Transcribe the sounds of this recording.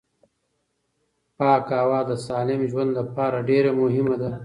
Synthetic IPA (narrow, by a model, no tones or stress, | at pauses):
pɑːkaːwɑːd̪əsaːlɪmʒwand̪lapɑːɾaɖeɾamʊɦɪmad̪a